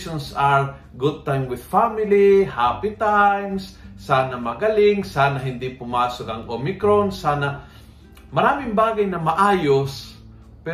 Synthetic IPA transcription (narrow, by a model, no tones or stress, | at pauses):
ʃɔnsaɹ | ɡʊd̪̚t̪ãjmwɪð̥famɪlihapɪt̪ajmsːaːnɐmɐɡɐlɪŋsaːnɐɦɪnd̪ɪpʊmaːsokɐŋʔomɪkɾonsaːna | mɐɾaːmɪŋbaːɡɐjnɐmɐʔaːjos | pɛ